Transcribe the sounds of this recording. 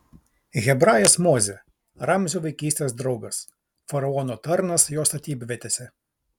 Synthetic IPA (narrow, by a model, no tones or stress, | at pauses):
ɣʲɛbɾɑːjɛsmoːzʲɛ | ɾɐmʲzʲuːʋɐɪkʲiːsʲt̪ʲeːs̬d̪ɾɒʊɡɐs | fɐɾɐɔnoːt̪ɐɾnɐsjoːst̪ɐt̪ʲiːbʲʋʲɛt̪ʲeːsʲɛ